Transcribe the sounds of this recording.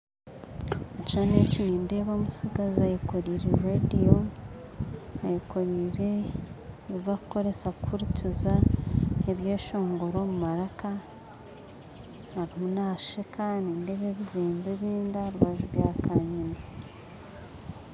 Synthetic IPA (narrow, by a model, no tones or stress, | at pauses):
mucaːneciiːndeβo̞ːmusiɡazajiko̞ɾiːɾeɾedio | ajiko̞ɾiɾe̞ː | ivakuko̞ɾe̞sakukʰuɾiciza | eβjeːʃo̞ːŋɡo̞ɾo̞mumaɾaka | haɾimunaːʃekʰaːninde̞βe̞βiziːmbeβiːndaɾuβaʒuɾjaːkʰaɲina